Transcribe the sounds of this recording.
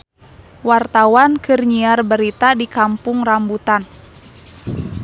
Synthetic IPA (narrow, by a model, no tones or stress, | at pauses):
wart̪awankɨrɲiarbəɾit̪adikampʊŋrambut̪an